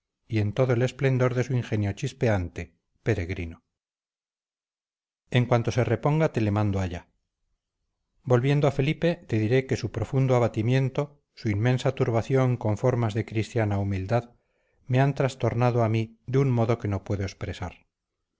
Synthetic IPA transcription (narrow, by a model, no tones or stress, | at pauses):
ie̞nt̪o̞ðoele̞sple̞nd̪o̞ɾðesuiŋxe̞njo̞t͡ʃispe̞ant̪e̞ | pe̞ɾe̞ɣɾino | e̞ŋkwant̪o̞se̞re̞po̞ŋɡat̪e̞le̞mãnd̪oaʎa | bo̞lβje̞nd̪oafe̞lipe̞t̪e̞ðiɾe̞ke̞supɾo̞fund̪oaβat̪imjẽ̞nt̪o̞ | suinmẽ̞nsat̪uɾβaθjo̞ŋko̞ɱfo̞ɾmazðe̞kɾist̪janaumild̪að | meant̪ɾast̪o̞ɾnaðoamiðeunmo̞ðo̞ke̞no̞pwe̞ðoespɾesa̰ɾ